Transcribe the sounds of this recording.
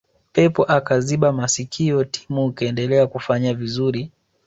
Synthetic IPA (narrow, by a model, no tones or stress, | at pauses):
pɛpɔʔakaziɓamasikʰiɔtʰi̥muːkaɛndɛlɛakufaɲavizuɾi